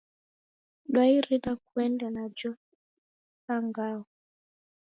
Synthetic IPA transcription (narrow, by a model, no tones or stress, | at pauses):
ɗwaiɾiɗak̚uɛndanad͡ʒɔ | kaŋɡawɔ